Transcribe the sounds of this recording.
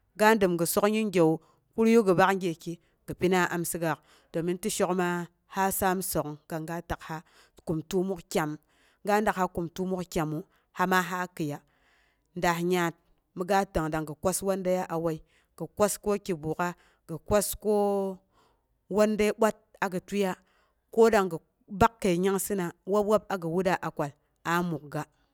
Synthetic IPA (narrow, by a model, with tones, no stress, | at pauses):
ɡa˦dɨ˨mɡə˨so˦kɲi˦ŋɡʲe˨u˨ | ku˦ɾju˦ɡə˨ba˦kŋ˦ɡʲe˨ki˨ | ɡɨ˨pi˦na˦ʔa˨msɨ˦ɡa˨k | do˨mi˦n˦ti˦ʃo˦kma˦ | ha˦sa˦mso˨kɡ̥a˨ŋɡa˦ta˨kha˦ | ku˨mtu˦mu˦kkʲa˨m | ŋɡa˦n˦da˨kha˦ku˨mtu˦mu˦kkʲa˨mu˨ | ha˦ma˦ɦa˦kɨ˨ja˨ | nda˨hɲa˨t̚ | mi˨ɡa˦ta˨ŋda˨ŋɡə˨kʷa˦swa˦nda˦ja˦ʔa˨wa˦i˦ | ɡ̥ə˨kʷa˦sko˦ki˨bu˨ka˦ | ɡ̥ə˨kʷa˦sko˦ | wo˦nda˦ɓʷa˦t̚a˨ɡɨ˨tu˦ja˦ | ko˦da˨ŋɡə˨ | ba˦kːe˨i˨ɲa˦ŋsi˦na˨wa˦p̚wa˦pa˨ɡə˨wu˦da˨ʔa˨kʷa˨l | a˨mu˨k̚ɡa˨